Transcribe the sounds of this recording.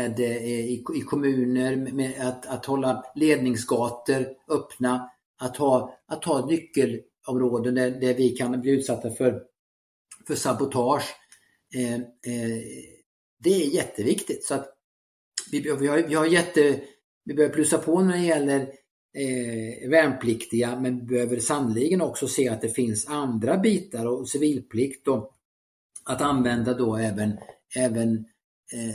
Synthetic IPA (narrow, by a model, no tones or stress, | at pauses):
ɛd̪ɪɪkʰɔmʉ̟ːnəɾmɛat̪at̪hɔlːaleːd̪̚nɪŋsɡɑːt̪əɾœpna | at̪hɑːat̪ʰːhɑːnʏkːəl | ɔmɾoːd̪ənd̪æd̪ævɪkʰanbliːʉ̟ːt̪sat̪ːafœɾ | fœʂabʊt̪ʰɑːʂ | d̪ɛæɾjɛt̪ːəvɪkt̪ɪt̪sɔat̪ | vɪvɪhavɪhaɾjɛt̪ːə | vɪbøːvəpʰlʉːsapʰɔnæɖɛjɛlːəɾ | væːnpʰlɪkt̪ɪɡamɛnvɪbɛhøːvəɾsannʊlɪɡənɔksɔseːat̪̚d̪ɛfɪnsand̪ɾabiːt̪aɾɔsɪviːlpʰlɪkt̪ɔ | at̪anvɛnd̪ad̪ɔɛːvən | ɛːvən